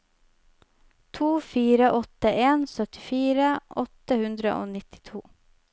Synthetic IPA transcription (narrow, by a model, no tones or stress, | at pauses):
t̪ʰuːfiːɾəʔɔt̪əʔeːnsœt̪ɪfiːɾəʔɔt̪əhʉnd̪ɾə̰ʔo̰ːnɪt̪ɪ̥t̪ʰuː